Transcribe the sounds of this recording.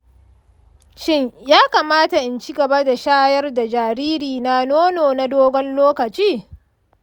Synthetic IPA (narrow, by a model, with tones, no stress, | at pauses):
ʃɪ˦ɲjaː˦kaː˨maː˦ta˨ʔɪ˦nt͡ʃi˦ɡɐ˨ba˦da˨ʃaː˦jɐ˦rda˨d͡ʒaː˨ɾiː˦ɾiː˨na˦noː˦noː˨na˦doː˦ɡʷɔ˦nloː˦kɐ˨t͡ʃiː˦